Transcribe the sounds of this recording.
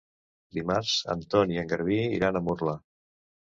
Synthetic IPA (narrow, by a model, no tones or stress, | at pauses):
d̪imaɾzə̰nt̪ɔniəŋɡəɾβiḭɾanəmuɾlə